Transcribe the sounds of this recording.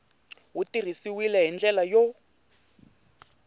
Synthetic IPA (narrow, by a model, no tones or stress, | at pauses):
wutir̤isiwilɛɦind͡ɮɛlajɔ